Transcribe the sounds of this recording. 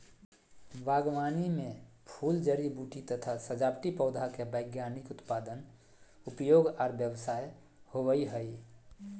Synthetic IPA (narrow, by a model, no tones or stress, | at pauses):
baːɡwaːnimẽ | pʰuːld͡ʒəɾibuʈit̪ət̪ʰasəd͡ʒaːpʈipəʊd̪ʱakebəɪɡjanɪkʊt̪paːd̪ən | ʊpjoːɡɔːɾbjəwsaːj | hoʋəiɦəi